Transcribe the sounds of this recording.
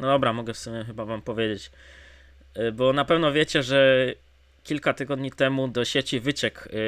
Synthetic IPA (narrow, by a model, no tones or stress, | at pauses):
nɔd̪ɔbɾamɔɡɛfsumʲjɛxɘbavampɔvʲjed͡ʑet͡ɕ | bɔnapɛvnɔvʲjet͡ɕɛʐɛ | kʲilkat̪ɘɡɔd̪ɲit̪ɛmud̪ɔɕet͡ɕivɘt͡ɕɛk